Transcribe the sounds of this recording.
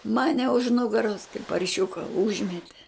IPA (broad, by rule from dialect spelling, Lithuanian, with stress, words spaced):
ˈmɑːnʲɛ ʊʃ ˈnʊɡɐroːs kɐɪp pɐrʲˈʃʲʊkɐ ˈʊʒʲmʲɛtʲɛ